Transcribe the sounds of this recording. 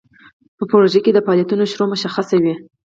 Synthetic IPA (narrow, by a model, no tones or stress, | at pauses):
pəpoɾoʒeked̪əpɑljat̪unoʃɾomʊʃaxasawi